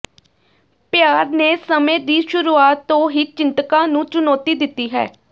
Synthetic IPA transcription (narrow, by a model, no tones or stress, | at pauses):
pɪjaːɾneːsəmẽːd̪iːʃʊɾuːaːt̪ːõːɦiːt͡ʃɪnt̪əkãːnũːt͡ʃʊnɔːt̪iːd̪ɪt̪ːiːɦɛ̰ː